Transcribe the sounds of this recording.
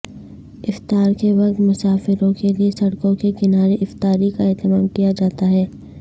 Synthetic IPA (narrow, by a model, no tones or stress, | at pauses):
ɪft̪aːɾkeʋɐqt̪mʊsaːfɪɾõkeliesɐɽkõkekɪnaːɾeʔɪft̪aːɾikaɛːt̪əmaːmkijad͡ʒaːt̪aɦɛː